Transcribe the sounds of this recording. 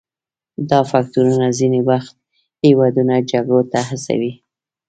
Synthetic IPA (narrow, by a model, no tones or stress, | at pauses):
d̪ɑfak̚t̪uɾunazinewaxt̪̚ | hewɑd̪unad͡ʒaɡɽot̪ahasa̰wi